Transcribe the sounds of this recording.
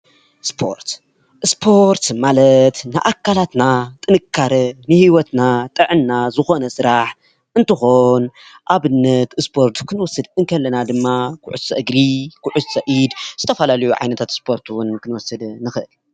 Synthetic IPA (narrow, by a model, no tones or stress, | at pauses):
spʰo̞̰ɾt̪ | spʰo̞ɾt̪malɐt̪na̰ʔakːalat̪nat̪ʼɨnɨkʰːaɾɐnɨhiwɔt̪nat̪ʼɨʕɨnːazɨxo̞nɐsɨɾaħ | ʔɨnt̪ɨxo̞nʔaβɨnːɐt̪ɨspʰo̞ɾt̪kʰɨnɨwɔsɨd̪ɨŋkʰɐlːɐnad̪ɨmːakʰʊ̰ʕʊsɐʔɨɡɾikʰʊʕʊsɐʔid̪z̥ɨt̪ʰɐfɐlalɐjuʕa̰jnɐt̪ʰat̪spʰo̞ɾt̪ʰuwʊnkʰɨnwɔsːɐd̪nɨxɨʔɨl